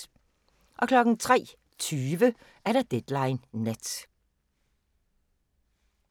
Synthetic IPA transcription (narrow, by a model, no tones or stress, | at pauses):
ʔɒ̽kʰlɒ̽ɡ̥n̩t͡sʰʁɛ̰ː | t͡sʰyːʋə | ʔæɐɾ̥ɑd̥ed̥lɑ̈ɪnːed̥